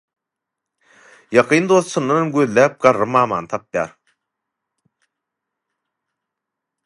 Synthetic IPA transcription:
jɑqʰɯːnd̪oθsunːɑnmɡøðlæːp̚ɡɑɾːɯmɑːmɑ̰ːnɯt̪ʰɑpjɑ̰ːɾ

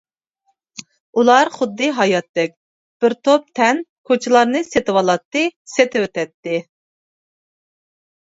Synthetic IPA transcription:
ulˠɑɾχʊd̪ːɨɦɑjɑt̪ːɛk̚ʲ | b̥ɪɾt̪ʰop̚t̪ʰɛnkʰot͡ʃʰɪlˠɑɾnɨset̪ɪwɑlˠɑt̪ːɨset̪ɪwøt̪ɛt̪ːɪ

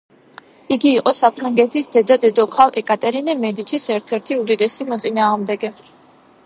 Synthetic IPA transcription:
iɡiːqʼɔsapʰɾaŋɡɛt̪ʰisd̪̥ɛd̪ad̪ɛd̪ɔkʰalˠʔɛkʼat̪ʼɛɾinɛmɛd̪it͡ʃʰisɛɾt̪ʰɛɾt̪ʰiud̪id̪ɛsimɔt̪sʼinaːʁmd̪ɛɡɛ

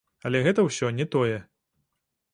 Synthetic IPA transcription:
ɐlʲɛɣɛt̪ɐwsʲɔnʲɛt̪ɔjɛ

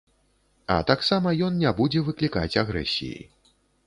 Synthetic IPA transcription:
ɐ̰t̪aksamɐjɔnnʲabud͡zʲɛvɨklʲika̰t͡sʲaɣɾɛ̰sʲḭjḭ

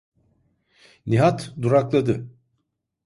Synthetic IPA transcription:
niɦat̪d̪uɾaklˠad̪ɯ

